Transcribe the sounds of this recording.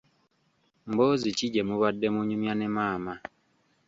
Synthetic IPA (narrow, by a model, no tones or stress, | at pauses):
mboziciɟemuβadːemuɲumjanemaːma